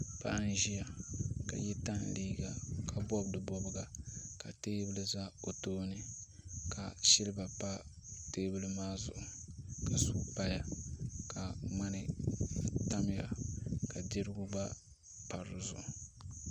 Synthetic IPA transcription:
pa̰˦ʔa˦n˦ʒi˦ja˨ka̰˨jɛ˦ta˦n˨liː˦ɡa˨kʰa˨bɔ˦bdɨ˨bɔ˦bɨ˦ɡa˨ka˨teː˦bɨ˦lɨ˦za˦o˨toː˦nɨ˨ | ka˨ʃɪ˦lɨ˦ba˨pa˦ | teː˦bɨ˦lɨ˦maː˦zʊ̰˨ʔʊ˨ka˨su˨pa˦ja˨ka˨ma˦nɨ˦ | ta˦m˦˨ja˨ka˨dɪ˦ɾɨ˦ɡʊ˦ba˦ | pa˨ɾʊ˨zʊ̰˨ʔʊ˨

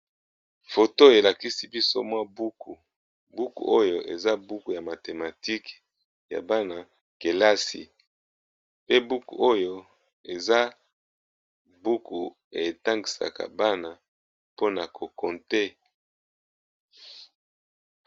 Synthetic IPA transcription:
fo˨to˦e˨la˨ki˦si˦bi˦so̰˦mwa˦bu˦ku˨ | bu˦kṵ˨ʔo˦jo˨ʔe˨za˦bu˦ku˨ja˨ma˨te˨ma˨ti˦k | ja̰˨ba˦na˨ | ke˨la˦sḭ˨ | pe˦bu˦kṵ˨o˦jo˦ | e˨za˦ | bu˦ku˨ | e˨ta˦ŋɡi˨sa̰˨ka̰˨ba˦na˨ | po˦na˨kʰo˨kɔ˨nte˦

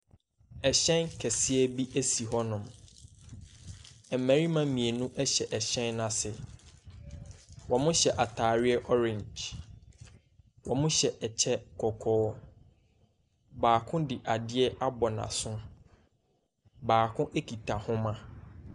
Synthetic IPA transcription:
ɛ˨ɕɛ̃˦nkʰɛ˨sɪ˦ɛ˦bi˦ʔæ˦si˨ɦɔ˦nʊ̃˨m | ɛ˨mæ˨ɾi˦mã˦mĩ˨e˨nũ˦ʔɛ˦ɕɛ˨ʔɛ˨ɕɛ̃˦nːã˨sɪ˨ | wɔ˨mʊ̃˦ɕɛ˨ʔa˨tʰaː˨ɾɪ˦ɛ˦ʔɔ˦ɾɪ̃˨ɲd͡ʒ | wɔ˨mʊ̃˦ɕɛ˨ʔɛ˨t͡ɕʰɛ˦kʰɔ˨kʰɔː˦ | baː˨kʰʊ̃˦dɪ˨ʔa˨dɪ˦ɛ˦ʔa˦bɔ˨nã̰˨sʊ̃˦ | baː˨kʰʊ̃˦ʔe˦kʰi˨tʰa˨hʊ̃˦mã˦

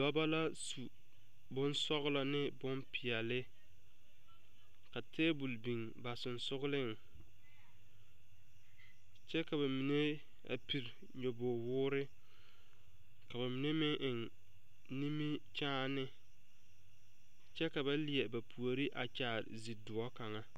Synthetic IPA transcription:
dɔ˦ba˦la˦su˨ | bʊ˦nsɔ˦ɣla˨nɪ˦bʊ˦mpʰɪ˨ɛ˨lɪ˦ | ka˨tʰeː˦bu˨lbi˨ŋ | ba˨sʊ˨nsʊ˦ɣʊ˦lɪ˦ŋ˨ | t͡ʃɛ˦ka˨βa˨mi˨ne˦ | a̰˨pi˨ɾ | ɲo˨boː˨wʊː˦ɾɪ˦ | ka˨ba˨mi˨ne˦mɪ˦ʔɪ˨ŋ | ni˦mi˦t͡ʃaː˦nɪ˦ | t͡ʃɛ˦ka˨ba˦li˨ɛ˨ba˨pʰu˨o˨ɾi˦ʔa̰˨t͡ʃaː˨ɾzi˨dʊ˨ɔ˦ka˨ŋa˦

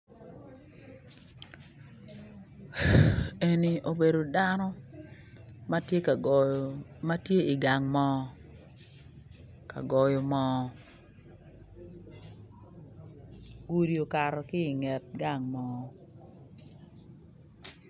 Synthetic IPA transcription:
e˨ni˨ʔo˨be˨do˨da˦nɔ˦ | ma˦tje˦ka˨ma˦tje˦ɪ˨ɡa˨ŋmɔ˦ | ka̰˨ɡɔ˨jɔ˨mɔ˦ | ɡu˦ɾi˨o˨ka˨ɾɔ˨kɪ˦ɪ˨ŋɛ˨t̚ɡa˦˨ŋmɔ˨˦˨

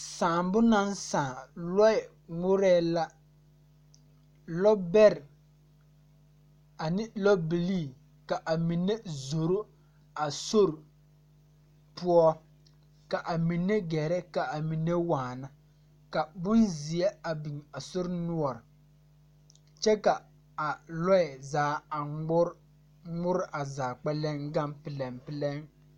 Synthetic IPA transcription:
saː˨mbʊ˦na˦nsãː˨lɔ˦ɪ˨ | ŋʊ˦ɾɛː˦la˦ | lɔ˦bɛ˦ɾ | a˨nɪ˦lɔ˦bi˨liː˦˨ | ka˨ʔa˨mi˨ne˦zo˨ɾo˦ | a˨so˦ɾɪ˨ | pu˦ɔ˦ | ka˨ʔa˨mi˨nːe˦ɡɛː˨ɾɛ˦ka˨a˨mi˨nːe˦waː˨na˨ | ka˨bʊ˦nzi˨ɛ˦a˨bi˨ŋa˨sʊ˦ɾnu˦ɔ˨ɾɪ˨ | t͡ʃɛ˦ka˨ | a˨lɔ˦ɛ˨zaː˨˦a˨˦ | ŋʊ˦ɾɪ˦ʔa˨zaː˨k͡pɛ˦lɛ˦ŋɡa˦mpɪ˨lɛ˨mpɪ˦˨lɛ˦ŋ

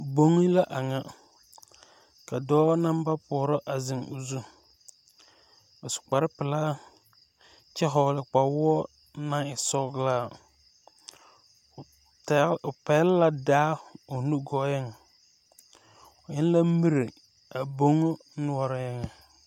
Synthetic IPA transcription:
bo˦ŋi˦la˦ʔa˨ŋa˦ | ka˨dɔː˦na˦m˦ba˦pɔ˨ɾɔ˦ʔa˨zɪ˨ŋʊ̰˨zu˦ | a˨sʊ̥˨k͡pa˨ɾɪ˦pɪ˨laː˦ | t͡ʃɛ˦ɦɔ˨lɪ˨k͡pa˨wɔ˦ | na˦ɪ˨sɔ˦ɡlaː˦˨ | pɛ˨˦lla˨daː˦o˨nu˦ɡɔ˦jɛ˦ŋ˨ | ʊ˨ɲɪ˦n˦la˦mi˦ɾe˨ | a˨bo˦ŋo˦nʊ˦ɔ˦ɾɔ˦jɛ˦ŋ˨

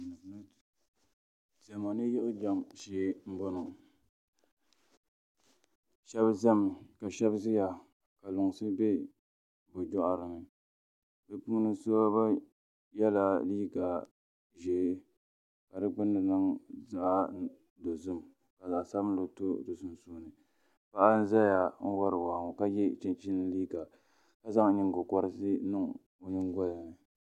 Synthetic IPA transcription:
n˦ | zɛ˨ma˨nɨ˦jɪ˦ʔʊ˦d͡ʒa˦˨mʃeː˦m̩˦bɔ˦no˨ | ʃɛ˦bzɛ˦m˨ka˨ʃɛ˦bzɨ˦ja˨ | ka˨lʊ˨ŋ˨sɨ˦bɛ˦ | bʊ˨d͡ʒɔ˦ʔa˨ɾɨ˨nɨ˨ | bɨ˦pu˦ŋ˦nɨ˦so˦ba˦ | jɛ˦la˦li˦ɡaː˨ | ʒeː˨˦ | ka˨dɨ˦ɡ͡bʊ˦nːɨ˨nɨ˦ŋza˨ʔa˦ | do˨zɨ˦m | ka˨zaː˨sa˦blo˨to˦˨do˨sʊ˦n˨suː˦nɨ˨ | pa˦ʔa˦n̩˦za˦ja˨ŋ̩˦wa˦ɾɨ˨waː˨ŋo˨ka˦jɛ˦t͡ʃɪ˦nt͡ʃi˦nɨ˦liː˦ɡa˨ | ka˦za˦ŋ˦ɲi˦ŋ˦ɡʊ˨kɔ˦ɾɨ˦si˦nɨ˦ŋ | o˨ɲɪ˦ŋ˦ɡɔ˦la˨nɨ˨

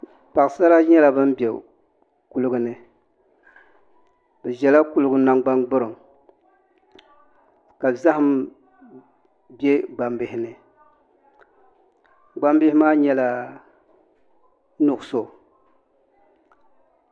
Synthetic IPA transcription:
pa˨ʔsa˦ɾa˦ɲɛ˦la˨bɨ˦mbɛ˨ | ku˨lɨ˦ɡʊ˨nɨ˨ | bɛ˨ʒɛ˨la˦ku˦lʊ˦ɡʊ˦na˦ŋɡ͡ba˦ŋɡ͡bɨ˦ɾɨ˨m | ka˨za˦hʊ˦m | bɛ˦ɡ͡ba˨mbɪ˨ɪ˨nɨ˨ | ɡ͡ba˦mbɪ˦hɪ˦maː˦ɲɛ˦la˨ | nʊ˨ʔʊ˨so˨

